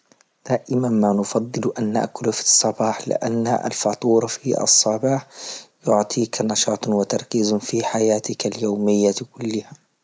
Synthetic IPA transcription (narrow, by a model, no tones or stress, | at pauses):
d̪̥aːʔɪmanmanʊfɑd̪ˤːɨlʔanːa̰ʔkʊlfi̥sˤːɑbɑːħlɪ̰ʔa̰nːa̰ʔa̰lfɑt̪ˤuːɾˤɑfiʔɑ̰sˤːɑbɑːħjʊʕt̪ˤʰiːkanɑʃɑːt̪ˤwɪt̪ɑɾˤkiːzfiħajaːt̪ɪkaljoːmɪjːakʊlːɪha